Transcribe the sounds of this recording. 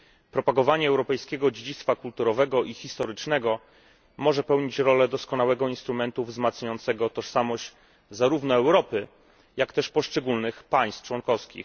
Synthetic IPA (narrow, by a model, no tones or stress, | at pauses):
pɾɔpaɡɔvaɲɛːwɾɔpɛjskʲeɡɔd͡ʑed͡ʑit̪st̪fakult̪uɾɔvɛɡɔʔixʲist̪ɔɾɘt͡ʂnɛɡɔ | mɔʐɛpɛwɲit͡ɕɾɔlɛd̪ɔskɔnawɛɡɔinst̪ɾumɛnt̪uvzmat̪sɲajɔnt̪sɛɡɔt̪ɔʂsamɔʑt͡ɕ | zaɾuvnɔɛwɾɔpɘ | jakt̪ɛʂpɔʂt͡ʂɛɡulnɘxpaj̃st̪t͡ʂwɔnkɔfskʲḭx